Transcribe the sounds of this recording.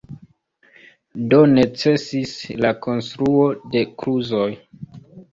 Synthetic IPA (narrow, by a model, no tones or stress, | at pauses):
do̞ne̞t͡se̞sislako̞nstɾuo̞de̞kɾuzoj